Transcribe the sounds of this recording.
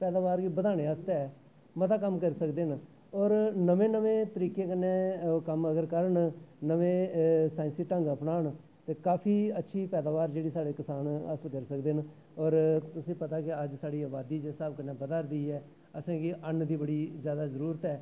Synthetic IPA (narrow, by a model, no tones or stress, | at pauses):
pɛːd̪aːʋaːɾɡiːbəd̪aːɽ̃eːəst̪ɛ | mət̪aːkəmkəɾisəkd̪eːn | ɔːɾnəʋẽːnəʋẽːt̪əɾiːkeːkənːeːkəməɡəɾkəɾəɳnəʋẽːsaːɪnsiːʈə̃ŋɡəpnaːɳ | t̪eːkaːpʰiːətːʃʰiːpɛːd̪aːʋaːɾd͡ʒeːɽiːsaːɽeːkɪsaːnə̰səlkəɾsəkd̪eːn | ɔːɾt̪ʊsĩːpət̪aːkɪəd͡ʒsaːɽiːaːbaːd̪iːd͡ʒeːsaːbkənːẽːbəd̪aːɾd̪iːɛː | əsãːɡiːʔənd̪iːbəɽiːzjaːd̪aːzəɾuːɾət̪ɛː